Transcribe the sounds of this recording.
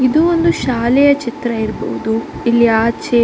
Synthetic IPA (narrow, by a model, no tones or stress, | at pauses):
id̪uond̪uʃaːlɛjɐt͡ʃit̪ɾɐiɾbɔ̰ʋud̪uilːiaːt͡ʃe